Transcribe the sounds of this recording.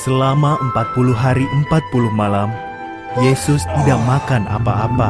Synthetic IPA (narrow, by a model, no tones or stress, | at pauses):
səlamaʔəmpat̪̚pulʊɦaɾiʔəmpat̪̚pulʊhmalam | jesʊst̪idaʔ̚makana̰paːpa